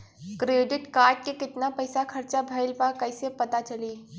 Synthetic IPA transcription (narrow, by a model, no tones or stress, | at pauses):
kɾeːɖɪʈkaːɾʈ̚kekɪt̪napɐɪsakʰɐɾt͡ʃabʱɐɪlpakɐɪsepɐt̪at͡ʃɐliː